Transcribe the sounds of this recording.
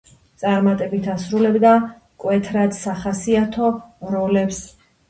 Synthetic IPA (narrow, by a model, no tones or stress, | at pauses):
t̪sʼaɾmat̪ʼɛbit̪ʰasɾulɛbd̪a | kʼwɛt̪ʰɾad̪̥saχasiat̪ʰɔɾɔlɛps